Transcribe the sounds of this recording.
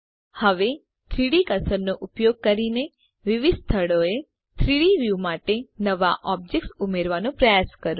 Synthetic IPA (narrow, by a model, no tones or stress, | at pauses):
həʋe | t̪ʰɾiɽikəsəɾnoʔupjoɡ̚kəɾine | ʋɪʋid̪st̪ʰəɽoe | t̪ʰɾiɽiʋjumaʈenəʋaʔɔb̚d͡ʒek̚ʈsumeɾʋanõpɾəjaskəɾõ